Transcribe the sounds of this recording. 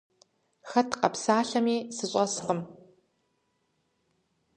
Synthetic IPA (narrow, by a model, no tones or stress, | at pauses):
xɐtʰqɐpsaːɬɐmiːsɨɕʼɐsqəm